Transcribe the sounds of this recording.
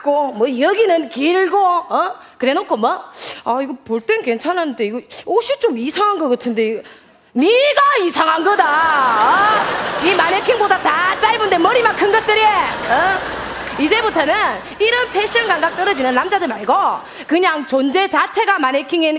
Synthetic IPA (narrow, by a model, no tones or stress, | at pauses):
k͈omwʌʌɡinɯnkiɭɡoʌ | kɯɾe̞nokʰomwʌaiɡʌpoɭt͈enke̞nt͡ɕʰanɦanɯnde̞iɡʌoɕʰit͡ɕomisʰaŋɦanɡʌɡatʰɯnde̞ | niɡaisʰaŋɦanɡʌdaʌ | imanekʰiŋbodatat͡ɕ͈aɭbundemʌɾimakʰɯnɡʌt̚t͈ɯɾieʌ | id͡ʑe̞butʰʌnɯn | iɾʌnpʰeɕ͈ʰiʌnɡaŋɡak̚t͈ʌɾʌd͡ʑinɯnːamd͡ʑadɯɭmaɭɡo | kɯɲaŋt͡ɕond͡ʑe̞t͡ɕat͡ɕʰe̞ɡamanekʰiŋin